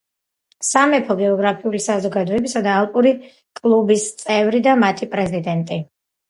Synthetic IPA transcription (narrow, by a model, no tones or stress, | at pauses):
samɛpʰɔɡɛɔɡɾapʰiulisazɔɡad̪ɔɛbisad̪aːlˠpʼuɾi | kʼlˠubist̪sʼɛvɾid̪amat̪ʰipʼɾɛzid̪ɛnt̪ʼi